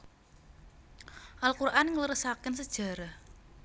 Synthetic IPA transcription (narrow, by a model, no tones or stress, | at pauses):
ʔalkuɾʔanŋələɾəsakɪnsəd̥ʒ̥ä̤ɾah